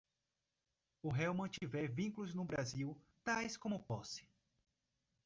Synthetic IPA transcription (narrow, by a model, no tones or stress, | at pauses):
ʊɦɛwmɐ̃t͡ʃivɛɾvĩkulʊznʊbɾaziw | t̪ajskõmʊpɔsɪ̥